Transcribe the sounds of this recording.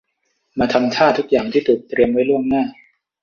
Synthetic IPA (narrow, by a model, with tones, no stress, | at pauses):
maː˧t̪ʰa˧mt̪ʰaː˥˩t̪ʰu˦˥k̚jaː˨˩ŋt̪ʰiː˥˩t̪ʰuː˨˩k̚t̪ɾi˧əmwa˦˥˩jlu˥˩əŋnaː˥˩